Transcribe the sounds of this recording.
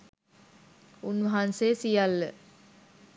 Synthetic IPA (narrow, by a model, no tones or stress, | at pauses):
unʋəɦansesijalːə